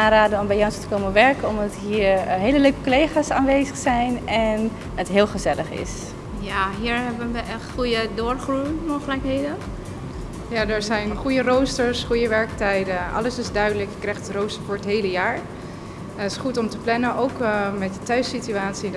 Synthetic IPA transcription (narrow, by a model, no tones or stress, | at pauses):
aːɾaːdənɔmbɛjɔnstə̥koːməʋɛɹkəɔmdɔtɦiːɹɦeːləløːkə̥kolejχaːsaːnʋejzəxsɛjnɛn | ətɦɪːlˠχəzɛləχɪ̰s | jaɦiːəɹɦɛbənʋəʔɛχujədoːrχrumowχələkɦeːdən | jadəɹzɛjnχujərowstəɹsχujəʋɛɹk̚tɛjdəʔɑ̰ləsɪzdœɥdələkjkrɛjxtərowstəfʊːɹətɦeːləjaːɹ | tɪsχutɔmtəplɛnənowkmɛt̚dətœɥsityaːtsi